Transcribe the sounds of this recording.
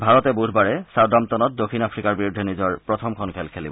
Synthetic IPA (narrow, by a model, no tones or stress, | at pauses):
bʱaɹɔtɛbudʱbaɹɛsawdamtɔnɔt̚dokʰinapʰɹikaɹbiɹudʱɛnizɔɹpɹɔtʰɔmkʰɔnkʰelkʰelḭbɔ